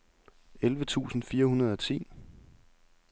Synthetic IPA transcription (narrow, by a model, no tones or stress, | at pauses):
elʋət͡sʰṵːsn̩fiːɐhunɐð̞ˠɒ̽t͡sʰḭː